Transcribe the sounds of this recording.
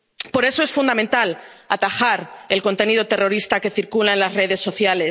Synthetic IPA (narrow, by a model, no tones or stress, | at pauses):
po̞ɾe̞so̞e̞sfund̪amẽnt̪alat̪axaɾe̞lko̞nt̪e̞nið̞o̞t̪e̞ro̞ɾist̪ake̞θiɾkulaenlazre̞ðe̞sːo̞θjale̞